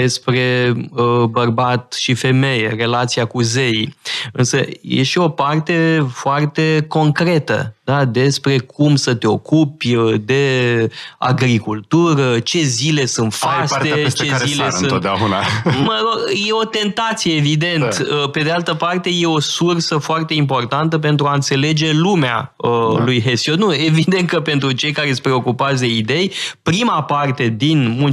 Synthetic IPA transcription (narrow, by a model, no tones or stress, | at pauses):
espɾe̞əbərbat̪ʃife̞me̞jere̞lat̪siakuzejɨ̰nsəjḛʃio̞part̪e̞foart̪e̞ko̞ŋkɾe̞t̪ə̰d̪ad̪e̞spɾe̞kʰumsət̪e̞o̞kupʲəd̪e̞ | a̰ɡɾikult̪uɾət͡ʃe̞zile̞sunt̪faset͡ʃezilesot̪̚d̪eaunaməɾo̞ɡje̞o̞t̪e̞nt̪at̪sije̞ːvid̪e̞nt̪əpe̞d̪ealt̪əpart̪e̞je̞o̞sursəfoart̪e̞impo̞rt̪ant̪əp̬e̞nt̪ɾuaɨnt̪se̞le̞d͡ʒe̞lumea̰əlujɦesijod̪nue̞vid̪e̞nt̪̚kəpe̞nt̪ɾut͡ʃe̞jkaɾespɾeo̞kupat̪sd̪e̞id̪e̞jpɾimapart̪e̞d̪inmul